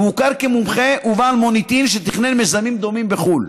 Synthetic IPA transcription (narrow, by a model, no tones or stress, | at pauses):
mukaʁkemumχeʔuvaːlmo̞nit̪inʃet̪iχnelmezamimd̪o̞mimbeχul